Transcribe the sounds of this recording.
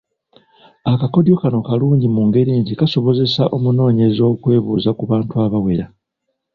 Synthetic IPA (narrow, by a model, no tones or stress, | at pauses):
akako̞djo̞kano̞kaluːɲɟimuŋɡe̞ɾiːɲɟikaso̞βo̞ze̞saʔo̞muno̞ːɲe̞zo̞ːkwe̞ːβuːzakuβaːntuaβawe̞ɾa